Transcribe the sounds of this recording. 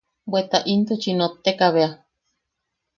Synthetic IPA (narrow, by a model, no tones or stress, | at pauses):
bwet̪aʔint̪ut͡ʃinot̪ːekaβea